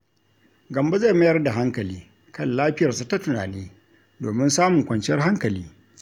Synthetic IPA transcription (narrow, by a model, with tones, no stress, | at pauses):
ɡɐ˨mba˦za˦˨m˦jɐ˦rda˨ɦa˦ŋkɐ˨liː˦ | kɐ˦˨nlaː˦ɸɪ˦jɐ˨rsa˦ta˦tʊ˨na̰ː˨neː˦ | doː˨mɪ˦nsaː˦mʊ˨ŋkʷɐ˨nt͡ʃɪ˦jɐ˦rɦa˦ŋkɐ˨liː˦